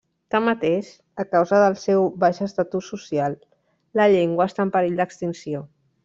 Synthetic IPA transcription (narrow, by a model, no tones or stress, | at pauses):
t̪amːət̪eʃ | əkawzəðəlˠsɛwβaʃəst̪at̪usːusialˠ | ləʎeŋɡwəːst̪ampəɾeʎd̪əkst̪insio